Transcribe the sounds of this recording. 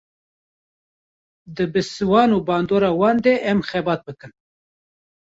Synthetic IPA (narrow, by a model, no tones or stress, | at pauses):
d̪ɨbɨsɨwɑːnuːbɑːnd̪oːɾɑːwɑːnd̪eʔɛmxɛbɑːt̪̚bɨkɨn